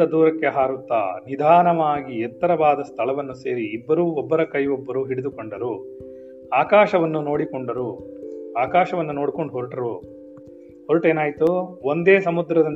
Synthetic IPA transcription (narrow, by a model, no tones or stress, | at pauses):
ɐd̪uːɾɐkːeɦaːɾut̪ːa̰ːnid̪ʱaːnɐʋaːɡiɛt̪ːɐɾɐbaːd̪ɐst̪ʰɐɭɐʋɐnːuse̞ːɾiːbːɐɾuːɔbːɐɾɐkɐjʋobːɐɾuːɦiɽid̪ukoɳɖɐɾu | aːkaːʃɐʋɐnːuno̞ːɽikoɳɖɐɾuaːkaːʃɐʋɐnːuno̞ːɽkoɳɖuɦoɾʈɐɾu | hoɾuʈe̞ːnaːjit̪uond̪eːsɐmud̪ɾɐd̪ɐ